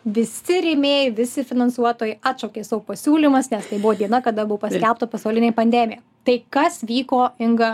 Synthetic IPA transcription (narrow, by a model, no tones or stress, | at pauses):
ʋʲɪsʲɪɾʲɪmʲeːjɛʋʲɪsʲɪfʲɪnɐnsuɔt̪oːjɛɪɑːt̪ʃoːkʲeːsɐʋopɐsʲuːlʲimɐsnʲɛst̪ɐɪbʊʋoːd̪ʲiɛnɐkɐd̪ɐbʊʋoːpɐsʲkʲɛlˠp̚t̪ɐpɐsɐʊlʲɪnʲeːpɐnʲd̪ʲɛmʲɪjɛ | t̪ɐɪkɐsʋʲiːkoːɪŋɡɐ